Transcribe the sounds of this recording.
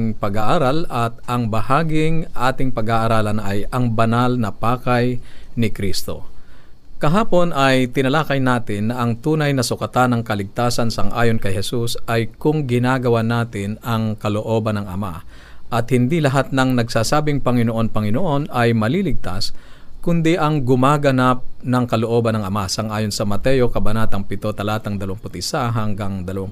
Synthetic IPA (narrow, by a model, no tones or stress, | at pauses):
ŋpɐɡaʔaɾalɐt̪̚ʔɐŋbɐhaːɡɪŋʔaːt̪ɪŋpɐɡaʔɐɾaːlɐnʔɐjɐŋbɐnalnɐpaːkajnɪkɾist̪o̞̰ | kɐɦaːpo̞nɐjt̪ɪnɐlaːkɐjnaːt̪ɪnːɐʔɐŋt̪uːnɐjnɐsʊkɐt̪anɐŋkɐlɪɡ̚t̪aːsɐnsɐŋʔa̰ːjo̞nkɐjhɛsusʔɐjkʊŋɡɪnaːɡɐwanaːt̪ɪnɐŋkɐloʔo̞ːbɐnɐŋʔɐ̰ma̰ | ʔɐt̪̚hɪnd̪ilɐɦat̪̚nɐŋnɐɡsaːsaːbɪŋpɐŋɪnoʔo̞npɐŋɪnoʔo̞nɐjmɐlilɪɡ̚t̪askʊnd̪iʔɐŋɡʊmaːɡɐnap̚nɐŋkɐloʔo̞ːbɐnɐŋɐmasɐŋʔaːjonsɐmɐt̪ɛjo̞kɐbɐnaːt̪ɐŋpɪt̪o̞t̪ɐlaːt̪ɐŋd̪ɐlɐwaŋpʊt̪ɪsaɦɐŋɡaŋd̪ɐlɐwaŋ